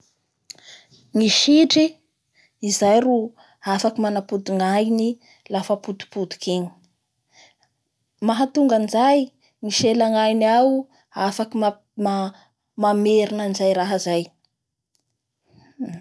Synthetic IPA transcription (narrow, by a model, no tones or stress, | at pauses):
ŋiʃiʈ͡ʂi | izajru | afakimanapud̪uŋajni | lafəpud̪u̥pud̪u̥kiɲi̥ | maɦat̪uŋɡanizaj | ŋiʃelaŋajniawu | afakim | ma | mameɾinənizajɾaɦəzaj